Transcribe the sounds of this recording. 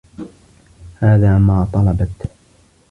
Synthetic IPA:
haːðaːmaːt̪ˤɑlɑbɑt̪

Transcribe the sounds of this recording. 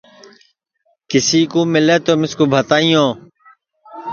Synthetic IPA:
kɪsiːkoːmɪleːt̪oːmɪskoːbʱət̪aːĩːõː

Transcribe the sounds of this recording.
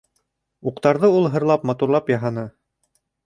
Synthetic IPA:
uqt̪ɑɾðɤulˠɦɤ̆ɾlˠɑpmɑt̪uɾlˠɑpjɑɦɑnɤ

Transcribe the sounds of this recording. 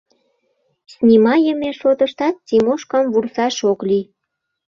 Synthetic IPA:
snʲimɑjəmeʃot̪əʃt̪ɑt̪̚t͡simoʃkɑmvursɑʃokli

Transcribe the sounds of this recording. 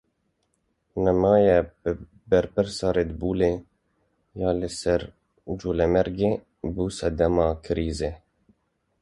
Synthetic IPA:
nɛmɑːjɛbɨ | bɛɾpɨɾsɑːɾed̪buːle | jɑːlɪsɛɾ | d͡ʒuːlɛmɛɾɡeː | buːsɛd̪ɛmɑːkʰɪɾiːze

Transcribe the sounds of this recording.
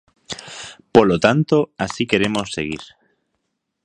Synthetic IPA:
polot̪ant̪oasike̞ɾemo̞sːe̞ɣiɾ

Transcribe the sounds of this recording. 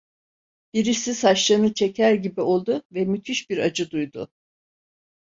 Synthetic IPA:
b̥iɾisisaʃlˠanɯt͡ʃʰecʰæɾɟibio̞lˠd̪ʊvɛmyt̪ʰyʃbiɾad͡ʒɯd̪ujd̪ʊ

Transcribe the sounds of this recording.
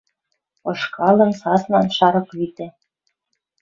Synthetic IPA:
ɤ̆ʃkɑlɤ̆nsɑslɑnʃɑɾɤ̆klit̪ĕ

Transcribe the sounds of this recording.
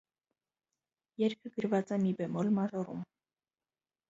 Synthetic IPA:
jɛɾkʰəɡəɾvɑt͡sɛmibɛmɔlmɑʒɔɾum

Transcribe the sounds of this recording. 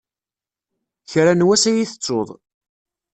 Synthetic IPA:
çɾanwæsæjiθə̥t͡sːoðˤ

